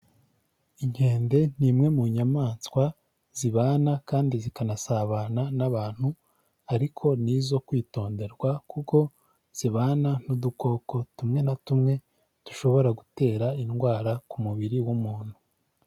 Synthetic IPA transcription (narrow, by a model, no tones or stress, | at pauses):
iɲhe̞ːnde̞n̥imŋe̞muɲamaːnskwa | z̥iβaːnakaːndizikanasaβananaβaːn̥hu | aɾikʰo̞nizo̞kwiːto̞ːnde̞ɾɡwakuko̞ | z̥iβaːnanuduko̞ːko̞tumŋe̞natumŋe̞ | tu̥ʃo̞βo̞ɾaɡute̞ːɾainɡwaːɾakumuβiɾiwumuːn̥hu